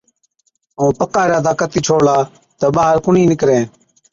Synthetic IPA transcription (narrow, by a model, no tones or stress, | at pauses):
õːpəkaːɾaːd̪aːkət̪iːt͡ʃʰoːlaː | t̪əːɓaːɦəɾkʊɳiːnɪkɾẽː